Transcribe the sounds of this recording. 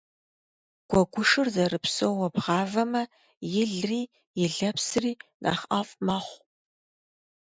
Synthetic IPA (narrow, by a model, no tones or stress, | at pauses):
ɡ̥ʷɔɡʷʊʂɨrzɐrɨpsowwɐbʁɑːvɐmɐ | jɪɮriː | jɪɮɐpsriːna̰ːχʔaːfʼmaːχʷ